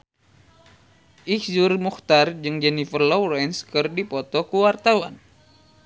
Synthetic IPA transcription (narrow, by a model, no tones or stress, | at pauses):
ʔihzurmuxt̪ard͡ʒɨŋd͡ʒɛnifərlɔwɾɛnskɨrdipɔt̪ɔkuwart̪awan